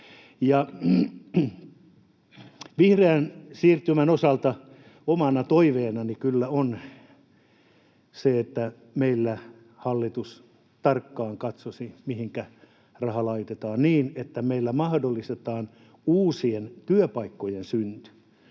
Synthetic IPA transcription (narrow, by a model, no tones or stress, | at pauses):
jɑ | ʋihreænsiːrt̪ːymænosɑlt̪ɑ | omɑnɑt̪oiʋeːnɑnikylːæon | seet̪ːæ | meilːæ | hɑlːit̪us | t̪ɑrkːɑːŋkɑt̪sosimihiŋkæ | rɑhɑlɑit̪et̪ɑːnniːnet̪ːæmeilːæmɑhdolːist̪et̪ɑːn | uːsient̪yøpɑikːojensynt̪y̥